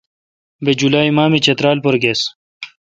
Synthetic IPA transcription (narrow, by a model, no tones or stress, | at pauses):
bed͡ʑulaːjmaːmit͡ɕɐt̪ɾaːlpoɾɡes